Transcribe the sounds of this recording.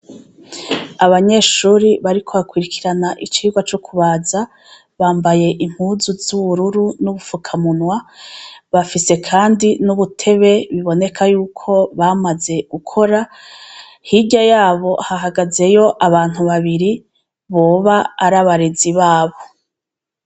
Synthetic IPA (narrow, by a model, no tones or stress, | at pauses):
aβaɲe̞ːʃuːɾiβaɾikʰo̞βakwiɾikʰiɾanaʔit͡ʃiːɡwat͡ʃo̞kʰuβaːza | βaːmbaje̞ʔim̥huːzuzuβuɾuɾunuβufukʰamunwa | βafise̞kʰaːndinuβutʰe̞βe̞βiβo̞ne̞kʰajuːkʰo̞βamaze̞ɡ̥ukʰo̞ɾa | hiɟajaːβo̞haɦaɡaze̞jo̞ʔaβaːn̥huβaβiɾi | βo̞ːβaːɾaβaɾeziβaːβo̞